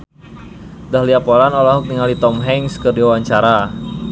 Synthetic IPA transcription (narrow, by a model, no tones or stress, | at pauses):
dahliapolanolaɦuk̚niŋalit̪ɔmɦɛŋskərdiwawaɲt͡ʃaɾa